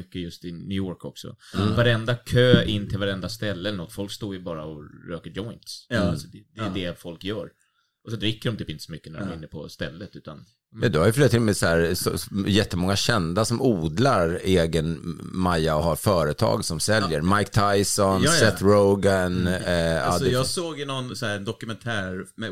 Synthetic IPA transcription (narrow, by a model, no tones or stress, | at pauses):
ʏkːəjɵst̪ɪnʉːɔːɾkɔksɔ̰vaɾɛnd̪akʰøːɪnːt̪ʰɪlvaɾɛnd̪ast̪ɛlːɛɛlɛnɔt̪ːfɔlkst̪oːɾjəbɑːɾaɔɾøːkəd͡ʒɔɪnt̪ssɔd̪ɛd̪ɛd̪ɛfɔlkjœːɾ | ʔɔsɔd̪ɾɪkːədɔmt̪ʰyːpɪnt̪ə̥sɔmʏkːənæ̰ɾdɔ̰mɪnːəpʰɔ̰st̪ɛlːət̪ʉ̟ːt̪an | mɛnd̪ʊhaɾjʏflʏɾt̪ʰɪlmɛsæːɾsɔ̰jɛt̪ːəmɔŋːaɕɛnd̪asɔmuːd̪laɾeːɡənmajːaɔɦaɾfœːɾət̪ʰɑ̰ːɡsɔmsɛljəɾmajkt̪ʰajsɔnsɛt̪ɾoʊɡan | d̪jɑːsoːɡɪnɔnsɔæːɾɛnd̪ɔkɵmɛnt̪ʰæːɾmɛ